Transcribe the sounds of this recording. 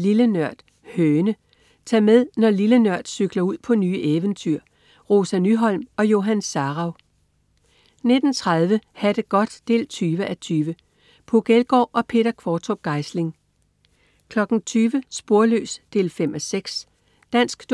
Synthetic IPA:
lilənœɐ̰d̥ | høːnə | t͡sʰɑ̈ːmeð̞ˠnɒlilənɶɐ̰d̥syɡ̥lɐuð̞̰ˠpʰɒ̽nyːʔeːʋənt͡sʰyɐ̰ | ʁo̝sænyɦɒ̽l̰mɒ̽jo̝ɦænsɑ̈ːʁɑ̈ʊ | ne̝d̥n̩t͡sʰʁɑð̞ˠʋəhæd̥əɡ̥ɒ̽d̥ːe̝̰ːlt͡sʰyːʋəʔæt͡sʰyːʋə | pʰoɡ̥elɡ̥ɒ̰ːʔɒ̽pʰe̝d̥ɐkʰʋɒːt͡sʰoɡ̥ɑ̈ɪsle̝ŋ | kʰlɒ̽ɡ̥n̩t͡sʰyːʋəsb̥o̝ɐlø̰ːsd̥e̝ːlfem̰ɒ̽seɡ̥s | d̥æn̰sɡ̥d̥

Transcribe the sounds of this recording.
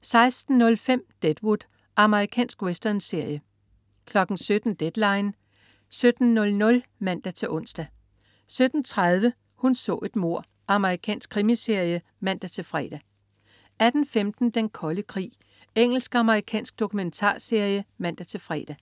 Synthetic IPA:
sɑ̈ɪsd̥n̩ːɔ̽lfem̰d̥ed̥wud̥ | ʔɑ̈məʁikʰɛ̰ːnsɡ̥wesd̥ɐnse̝ɐjə | kʰlɒ̽ɡ̥n̩sød̥n̩d̥ed̥lɑ̈ɪn | sød̥n̩ːɔ̽lnɔ̽l | mæn̰d̥æt͡sʰe̝ʔɔ̽n̰sd̥æ | sød̥n̩t͡sʰʁað̞ˠʋə | hunsɔ̰̽ːe̝d̥mo̝ɐ̰ | ʔɑ̈məʁikʰɛ̰ːnsɡ̥kʰʁimise̝ɐ̰jə | mæn̰d̥æt͡sʰe̝lfʁɛ̰ːd̥æ | æd̥n̩femd̥n̩d̥enkʰɒ̽ləkʰʁḭː | eŋ̰l̩sɡ̥ɑ̈məʁikʰɛ̰ːnsɡ̥̚d̥o̝kʰument͡sʰɑ̰̈ːse̝ɐ̰jəmæn̰d̥æt͡sʰe̝lfʁɛ̰ːd̥æ

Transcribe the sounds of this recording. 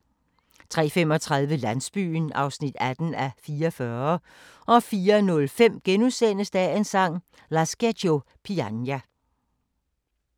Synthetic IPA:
t͡sʰʁɛ̰ːfem̰ɒ̽t͡sʰʁɑ̈ð̞ˠʋəlæn̰sb̥y̰ːnɑ̈ʊsnid̥æd̥n̩æfiːɐfɶɐ | ʔɒ̽fiːɐnɔ̽lfem̰ɡ̥enusen̰əsd̥ɛensɑ̈ŋ̰ | læsɡ̥edo̝ | pʰiænjæ

